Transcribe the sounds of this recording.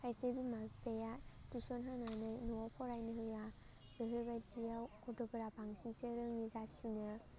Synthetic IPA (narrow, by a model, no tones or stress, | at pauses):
kʰajsebimapejatusɔnɦananɯjnɔɔpʰɔɾajnɯhɯja | ɯɦɯjbajdijawkɔdɔbɯɾapaŋsiŋseɾɯŋizasinɯ